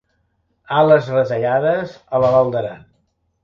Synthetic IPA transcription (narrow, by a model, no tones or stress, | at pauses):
aləzrət̪əʎaðəz | ələβalˠd̪əɾa